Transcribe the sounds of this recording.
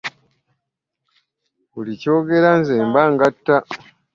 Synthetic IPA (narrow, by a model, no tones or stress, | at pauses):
βulico̞ːɡe̞ɾanzeːmbaŋɡatːa